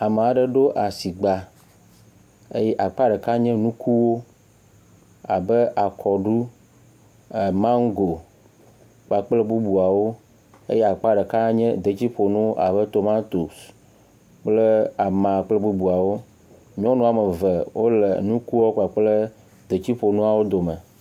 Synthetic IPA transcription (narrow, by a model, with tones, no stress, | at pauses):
a˨me˨a˨ɖə˦ɖo˦ʔa˨si˨ɡ͡ba˨ | e˦jɛ˦ʔa˨k͡pa˦ɖə˨ka˦ɲɛ̃˦nũ˦kʰu˦wo˦ | a̰˨bə˦ʔa˨kʰɔ˨ɖu˦˨ | mã˦ŋ̩˦ɡo˨ | k͡pa˨k͡plə˦bu˦bu˨a˨wo˦ | ḛ˦jɛ˦a˨k͡pa˦ɖə˨ka˦ɲɛ̰̃˦d̪e˨t͡ɕi˦ɸo˨nũ˦a̰˨bə˦t̪o˨ma˦t̪u˨s | k͡ple˦a˨mã˨k͡plə˦bu˦bu˨a˨wo˦ | ɲ˦ɔ̃˦nũ˦a˨mə˨və˨wo˦le˨nũ˦ku˦wo˦ka˨k͡plə˦ | d̪e˨t͡ɕi˦ɸo˨nũ˦a˨wo˦d̪o˨mə̰̃˨